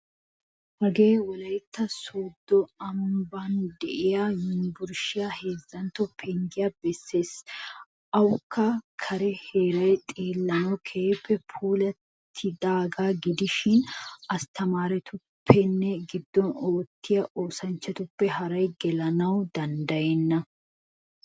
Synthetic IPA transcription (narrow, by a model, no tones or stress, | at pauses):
hɐɡeːwɔlɐjt̪ːɐsoːd̪ːɔɐmband̪ɛʔɪjajɪnbʊɾʃɪjahe̞ːzːɐnt̪ɔpʰɛŋɡɪjɐbɛsːe̞ːs | ʔɐwʊkʰːɐkʰɐɾɛheːɾɐjt̪ʼeːlːɐnɐwkʰeːpːɛpʰuːlɐt̪ʰːɪd̪aːɡaːɡɪd̪ɪʃɪnɐst̪ɐmaːɾɛt̪ʰʊpʰːɛnːɛɡɪd̪ːɔnoːt̪ːɪjɐʔo̞ːsɐnt͡ʃːɐt̪ʊpːɛɦɐɾɐjɡɛlɐnɐwd̪ɐnd̪ɐjɛnːɐ